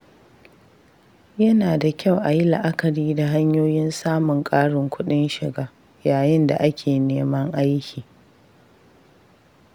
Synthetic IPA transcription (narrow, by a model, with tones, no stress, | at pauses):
jɐ˦naː˨da˨kʲa˦˨wʔa˨ji˦lɪ̰˨ʔa˦kɐ˨ɾiː˦da˨ɦa˦ɲjoː˦jɪ˦nsaː˦mʊ˨ŋkʼaː˦ɽɪ˨ŋkʷʊ˦ɗɪ˦nʃɪ˨ɡaː˦ | jaː˨jɪ˦nda̰˨ʔa˦kʲʰeː˨neː˦mɐ˦ŋʔa˦jkʲʰiː˨